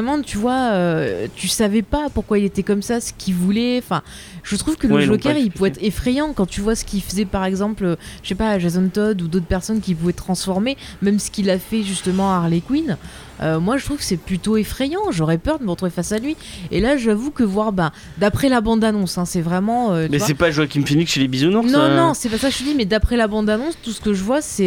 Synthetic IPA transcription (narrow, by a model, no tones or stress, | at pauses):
ʁɛmɑ̃t̪yvwaøt̪ysavɛpapuʁkwailet̪ɛkɔmsasə̥kʰʲivulɛɑ̃fɛ̰̃ | ʒ̥ət̪χuvkəlʒɔkʲɛʁilpuvɛt̪χefχejɑ̃kɑ̃t̪yvwasə̥kʲilfəzɛpaʁɛɡzɑ̃pløə̥ʃepaʒazɔnt̪ɔd̪ud̪ot̪χpɛʁsɔnkʲipuvɛt̪χɑ̃sfɔʁmemɛmsə̥kʲilafɛʒyst̪əmɑ̃aʁlekwin | ømwaʒət̪χuv̥kə̥sɛplyt̪oefχɛjɑ̃ʒɔʁɛpœʁd̪əməʁət̪χuvefasalɥi | elaʒavukəvwaʁbɛ̃ | d̪apχɛlabɑ̃d̪anɔ̃sɛ̃sɛvʁɛmɑ̃øt̪ɛasɛpaʒwakʲiməfinikʃelebizunɔ̃nɔ̃nɔ̃sɛpasaʒət̪əd̪imɛd̪apχɛlabɑ̃d̪anɔ̃st̪usə̥kəʒəvwasɛ